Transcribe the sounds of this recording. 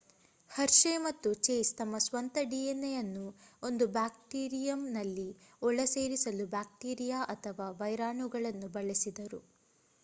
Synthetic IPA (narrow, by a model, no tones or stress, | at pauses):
hɐɾʂemɐt̪ːut͡ʃeːst̪ɐmːɐsʋɐnt̪ɐɖienːejɐnːuo̞nd̪ubaːk̚ʈiːɾijɐmnɐlːiɔɭɐse̞ːɾisɐlubaːk̚ʈiːɾijaːʔɐt̪ʰɐʋaːʋɐjɾaːɳuɡɐɭɐnːubɐɭesid̪ɐɾu